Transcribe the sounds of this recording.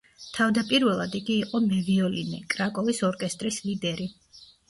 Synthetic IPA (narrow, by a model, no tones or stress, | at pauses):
t̪ʰavd̪apʼiɾvɛlˠad̪iɡiːqʼɔmɛviɔlinɛkʼɾakʼɔvisɔɾkʼɛst̪ʼɾislid̪ɛɾi